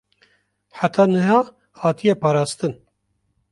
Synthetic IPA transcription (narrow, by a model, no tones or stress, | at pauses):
ħat̪ʰɑːnɨɦɑː | hɑːt̪ʰijɛpɑːɾɑːst̪ɨn